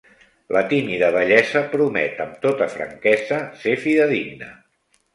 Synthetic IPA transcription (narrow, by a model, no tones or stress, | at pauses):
lət̪imiðəβəʎɛzəpɾumɛ̰t̪əmt̪ot̪əfɾə̰ŋkɛzəsefiðəðiɡnə̰